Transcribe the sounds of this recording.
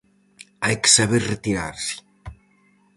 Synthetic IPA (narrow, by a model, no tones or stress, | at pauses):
ajke̥saβeɾret̪iɾa̰ɾsi̥